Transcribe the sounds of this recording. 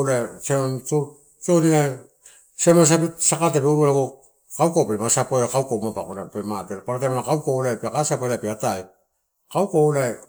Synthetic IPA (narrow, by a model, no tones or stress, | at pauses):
laeseont͡ʃo | t͡ʃonia | semas̬apisakatepeuɾualako | kawkopeɾmasapoeɾakawkomapakonapemateɾpaɾatamanakawkoolaepeakasapoelapeataj | kauwkolae